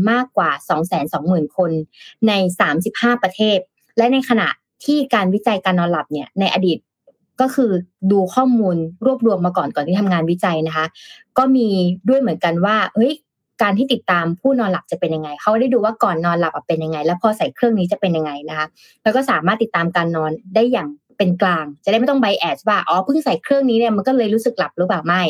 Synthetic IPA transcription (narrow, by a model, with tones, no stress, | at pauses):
maː˥˩kːwaː˨˩sɔː˩˦ŋsɛː˩˦nsɔː˩˦ŋmɯː˨˩nkʰo˧nːa˧jsaː˩˦msi˨˩p̚haː˥˩pɾa˧t̪ʰeː˥˩t̪̚ | lɛ˦˥na˧jkʰa˧na̰˨˩ʔ | t̪ʰiː˥˩kaː˧nwi˦˥t͡ɕa˧jkaː˧nːɔː˧nla˨˩p̚ni˥˩ɐna˧jʔa˧diː˨˩t̪̚ | kɔː˥˩kʰɯː˧duː˧kʰɔː˥˩muː˧nɾu˥˩əp̚ɾu˧əmːaː˧kɔː˨˩nkɔː˨˩nt̪i˥˩a˧mŋaː˧nwi˦˥t͡ɕa˧jna˦˥kʰa˦˥kɔː˥˩miː˧du˥˩əjmɯ˩˦ənka˧nwaː˥˩ʔɤ˦˥j | kaː˧nt̪ʰiː˥˩t̪i˨˩t̪ːaː˧mpʰuː˥˩nɔː˧nla˨˩p̚t͡ɕa˨˩pe˧nja˧ŋːa˧jkʰa˦˥wkɔ˥˩a˥˩jduː˧waː˥˩kɔː˨˩nːɔː˧nla˨˩p̚a˨˩pe˧nja˧ŋa˧jlɛː˦˥wpʰɔː˧sa˨˩˦jkʰɾɯ˥˩əŋniː˦˥t͡ɕa˨˩pe˧nja˧ŋːa˧jna˦˥kʰa˦˥ | lɛː˧˦˥wkɔː˥˩saː˩˦maː˥˩t̪ːi˨˩t̪ːaː˧mkaː˧nːɔː˧ndaː˥˩jːaː˨˩ŋ | pe˧nklaː˧ŋt͡ɕa˨da˥˩ma˥˩t̪ɔ˥ŋba˦jʔɛː˨˩waː˥˩ʔɔː˨˦pʰɯ˥˩ŋsa˨˩˦jkʰɾɯ˥˩əŋniː˦˥ni˧˥˩ma˧nkɔː˥˩lɤː˧jɾuː˦˥sɯ˨˩k̚la˨˩p̚ɾɯː˦˥paː˨˩wma˥˩j